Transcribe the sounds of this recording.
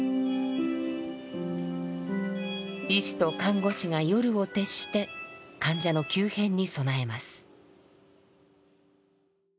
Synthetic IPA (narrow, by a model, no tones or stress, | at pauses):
iɕi̥t̪o̞kãŋɡo̞ɕiŋajo̞ɾɯ̟o̞t̪e̞ɕi̥t̪e̞kãɲ̟d͡ʑano̞kʲɨːhẽ̞ɲ̟ːiso̞nae̞masɨ̥